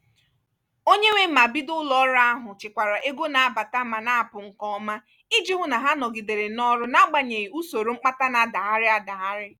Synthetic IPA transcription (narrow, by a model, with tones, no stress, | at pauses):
o˦ɲe˦ŋʷe˦ma˨bi˦dʊ˦lɔ˨ɔ˦ɾa˦ɦʊ˨t͡ʃɪ˨kʷa˨ɾa˨ʔe˦ɡo˦na˨a˦ba˨ta˦ma˨na˦a˨pʊ˨ŋ̩˨kɔ˦ma˦ | i˦d͡ʒi˦ɦʊ˦na˨ɦa˦nɔ˨ɡi˨de˨ɾe˨nɔ˦ɾʊ˦na˦ɡ͡ba˨ɲe˨i˨u˦so˨ɾo˦ŋ͡m̩˦k͡pa˦ta˦na˨da˨ɦa˦ɾɪ˦a˦da˨ɦa˦ɾɪ˦